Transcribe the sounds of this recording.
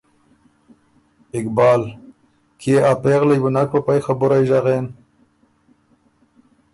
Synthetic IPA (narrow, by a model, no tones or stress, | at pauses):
ɪkbɑːl | kʰeapeɣlajbʊnak̚papajxabʊɾajʒaɣen